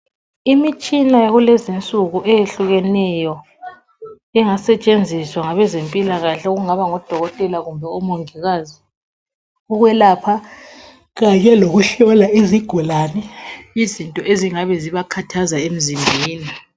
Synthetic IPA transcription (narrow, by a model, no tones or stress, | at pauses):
imit͡ʃʼinajaɣulɛzint͡sʼuɣuʔɛjeɬuɣɛnɛjɔ | ɛŋasɛt͡ʃʼend͡zʱiswaŋaβɛzempʼilaɣaɬɛoɣuŋaβaŋɔd̥ʱɔɣɔtʼɛlaɣumbʱɛumoŋiɣazi | uɣwɛlaːpʰa | ɣaɲɛloɣuɬɔlaeziɡ̥ʱulanɛizintʼɔʔeziŋaβɛziβakʰatʰazaem̩zimbʱiːni